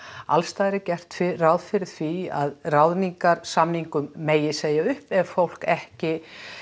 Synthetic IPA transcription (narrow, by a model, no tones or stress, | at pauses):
alst̪aːjðɾɪcɛr̥t̪fɪrawðfɪɾɪɾ̥θvia̰ðrawðniŋkaɾsamniŋkʏmːeːjɪseːjaʏhpɛvfowl̥kɛhcɪ